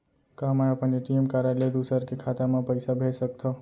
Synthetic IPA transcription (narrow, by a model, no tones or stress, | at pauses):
kamajəpəneʈiemkaɾaled̪usəɾkekʰat̪amãpəɪsabʱesəkt̪ʰɔ